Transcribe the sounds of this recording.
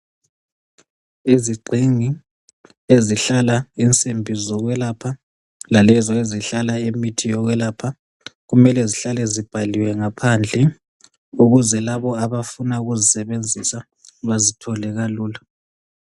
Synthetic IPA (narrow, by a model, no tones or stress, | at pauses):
iziɡ͡ǀʱiŋi | eziɬalaint͡sʼembʱizɔɣwɛlaːpʰa | lalɛzɔeziɬalaemitʰijɔɣwɛlaːpʰa | ɣumɛlɛziɬalɛzib̥ʱaliwɛŋapʰand͡ɮʱɛ | uɣuzɛlaβɔaβafunaɣuzisɛβend͡zʱisa | βazitʰɔlɛɣaluːla